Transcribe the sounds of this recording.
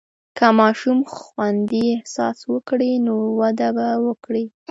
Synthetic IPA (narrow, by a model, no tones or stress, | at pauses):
kamɑʃumxwand̪iɪhsɑ̰swəkɽinowad̪abawəkɽi